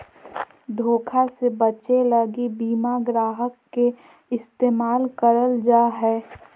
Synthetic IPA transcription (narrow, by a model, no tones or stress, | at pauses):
d̪ʱoːkʰasebət͡ʃeləɡibiːmaɡɾaːɦəkːe | ɪst̪eːmaːlkəɾəld͡ʒaːɦɛː